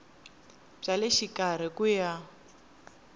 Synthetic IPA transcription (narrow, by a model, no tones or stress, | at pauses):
b͡ʐaleʃikar̤ikuja